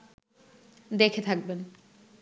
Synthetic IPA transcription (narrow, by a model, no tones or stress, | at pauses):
d̪ekʰet̪ʰak̚ben